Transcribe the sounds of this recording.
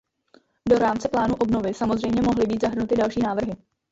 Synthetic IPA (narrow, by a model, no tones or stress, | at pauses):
do̞ɾaːmt͡sɛplaːnuʔo̞bno̞vɪsamo̞zrɛjmɲɛmoɦlɪbiːt̪zaɦr̩nut̪ɪdalʃiːnaːvr̩ɦɪ